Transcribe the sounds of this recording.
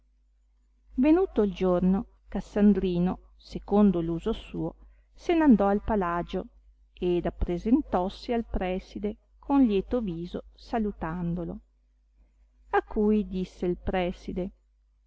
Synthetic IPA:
venuːt̪oild͡ʒorno | kasːand̪ɾiːno | sekond̪oluːzosuːo | senand̪ɔalpalad͡ʒo | ed̪apːɾezent̪ɔsːialpɾɛːsid̪e | kʰonljɛːt̪oviːzosalut̪and̪olo | akːujd̪isːeilpɾɛːsid̪e

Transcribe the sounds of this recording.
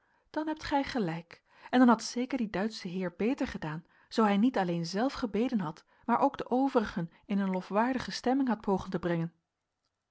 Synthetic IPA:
d̥ɑnɦɛp̚tχɛjχəlɛjk | ɛndɑnɦɑtsejkəɹdidœɥtsəɦɪːɹbejtəɹχədaːn | z̥owɦɛjnitɑlejnzɛlˠfχəbejdənɦɑt | maːɹʔowɡdəʔowvərəχən | ɪnənlofʋaːɹdəχəstɛmɪŋɦɑt̚pʰowχəntəbrɛŋən

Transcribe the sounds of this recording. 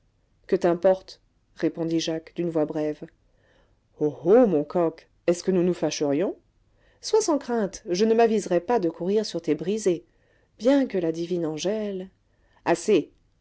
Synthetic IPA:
kət̪ɛ̃pɔʁt̪ | ʁepɔ̃d̪iʒakd̪ynvwabʁɛv | ohomɔ̃kɔk | ɛskənunufaʃəʁjɔ̃ | swasɑ̃kχɛ̃t̪ʒənəmavizʁɛpad̪əkʰuʁiʁsyʁt̪ebʁize | b̥jɛ̃kəlad̪ivinɑ̃ʒɛl | ase

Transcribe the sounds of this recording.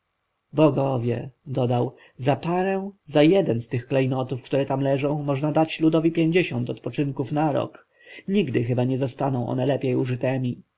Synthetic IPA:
bɔɡɔvʲjɛ̰d̪ɔd̪aw | zapaɾɛw̃zajɛd̪ɛnst̪ɘxklɛjnɔt̪ufkt̪uɾɛt̪amlɛʐɔ̃w̃mɔʐnad̪at͡ɕlud̪ɔvʲipʲjeɲd͡ʑeɕɔnt̪ɔt̪pɔt͡ʂɘŋkufnaɾɔ̰k | ɲiɡd̪ɘxɘbaɲɛzɔst̪anɔ̃w̃ʔɔ̰nɛlɛpʲjejuʐɘt̪ɛmʲi

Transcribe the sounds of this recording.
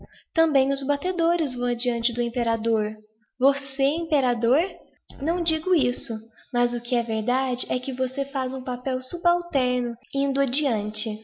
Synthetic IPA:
t̪ɐ̃bẽj̃ʊzbat̪ed̪oɾɪzvɐ̃w̃ɐd͡ʒiɐ̃nt͡ʃɪd̪ʊẽmpeɾad̪oɾ | voseĩmpeɾad̪oɾ | nɐ̃w̃d͡ʒiɡʊisʊmɐzʊkɪɛveɾd̪ad͡ʒɪʔɛkɪvosefazũpapɛwsubawt̪ɛɾnʊĩnd̪ʊad͡ʒiɐ̃nt͡ʃɪ

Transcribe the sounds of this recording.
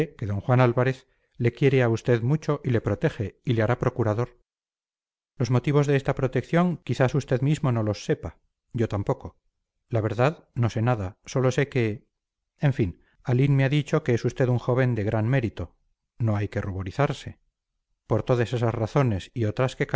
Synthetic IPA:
ekeðo̞ŋxwanalβaɾe̞θ | le̞kjeɾeaust̪e̞ðmut͡ʃo̞ʔile̞pɾo̞t̪e̞xe̞ileaɾapɾo̞kuɾaðo̞ɾ | lo̞zmo̞t̪iβo̞zðe̞est̪apɾo̞t̪e̞kθjo̞ŋkiθasust̪e̞ðmizmo̞no̞lo̞sːe̞pa | ʝo̞t̪ampo̞ko̞ | laβ̞e̞ɾðaðno̞se̞naðaso̞lo̞se̞ke̞ | eɱfin | alinmeaðit͡ʃo̞ke̞esust̪e̞ðuŋxo̞β̞e̞nd̪e̞ɣɾʔanme̞ɾit̪o̞ | no̞ajke̞ruβo̞ɾiθaɾse̞ | po̞ɾt̪o̞ðase̞sazraθo̞ne̞sio̞t̪ɾaske̞k

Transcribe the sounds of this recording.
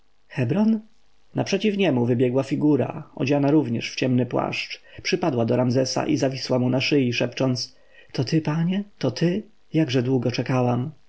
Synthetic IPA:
xɛbɾɔn | napʂɛt͡ɕifɲɛmuvɘbʲjɛɡwafʲiɡuɾa̰ɔ̰d͡ʑanaɾuvɲɛʂft͡ɕɛmnɘpwa̰ʂt͡ʂpʂɘpad̪wad̪ɔɾamzɛsa̰ʔizavʲiswamunaʂɘjiʂɛpt͡ʂɔnt̪s | t̪ɔt̪ɘpaɲɛt̪ɔt̪ʰɘ | jaɡʐɛd̪wuɡɔt͡ʂɛkawam

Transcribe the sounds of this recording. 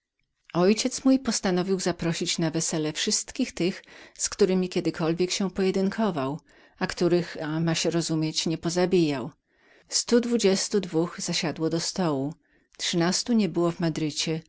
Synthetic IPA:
ɔjt͡ɕɛt̪smujpɔst̪anɔvʲiwzapɾɔɕit͡ɕnavɛsɛlɛfʂɘst̪kʲixt̪ɘxskt̪uɾɘmʲikʲɛd̪ɘkʰɔlvʲjɛkɕɛpɔjɛd̪ɘŋkʰɔvaw | akt̪uɾɘxamaɕɛɾɔzumʲjɛt͡ɕɲɛpɔzabʲijaw | st̪ud̪vud͡ʑɛst̪ud̪vuxz̥aɕad̪wɔd̪ɔst̪ɔwu | tʂɘnast̪uɲɛbɘwɔvmad̪ɾɘt͡ɕɛ

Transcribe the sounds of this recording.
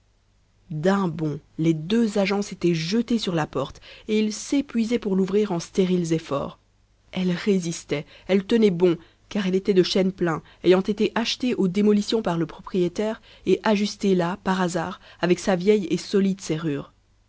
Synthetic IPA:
d̪ɛ̃bɔ̃led̪øzaʒɑ̃set̪ɛʒət̪esyʁlapɔʁt̪eilsepɥizɛpuʁluvʁiʁɑ̃st̪eʁilzefɔ̰ːʁ | ɛlʁezist̪ɛɛlt̪ənɛbɔ̃ | kaʁɛlet̪ɛd̪əʃɛnplɛ̃ | ejɑ̃t̪et̪eʔaʃt̪eʔod̪emɔlisjɔ̃paʁləpχɔpχijet̪ɛʁ | eʔaʒyst̪elapaʁazaːʁavɛksavjɛjesɔlid̪seʁyːʁ

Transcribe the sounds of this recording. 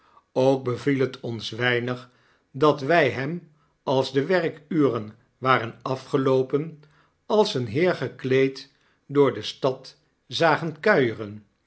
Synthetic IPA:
owk̚bəvilɦətʰɔnsʋɛjnəχ | dɑtʋɛjɦɛm | ɑlˠzdəʋɛrkyːrən | ʋaːrənɑfχəlowpən | ɑlˠsənɦɪːɹχəklejt | dʊːɹdəstɑt | zaːχənkœɥərən

